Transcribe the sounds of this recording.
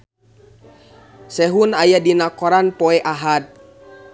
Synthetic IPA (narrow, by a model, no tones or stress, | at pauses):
sɛɦunajadinakɔɾanpɔɛʔaɦat̪̚